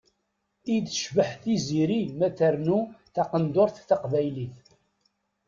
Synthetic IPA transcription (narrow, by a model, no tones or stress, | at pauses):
id̪ʃvəħθiziɾimæθəɾnuθɑqənd̪oɾθːɑqvæjliθ